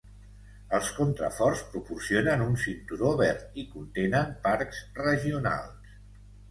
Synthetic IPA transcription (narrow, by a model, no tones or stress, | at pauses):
əlˠskunt̪ɾə̰fɔrspɾupursionənunsint̪uɾoβɛɾt̪ikunt̪enəmpaɾksrəʒiuna̰lˠs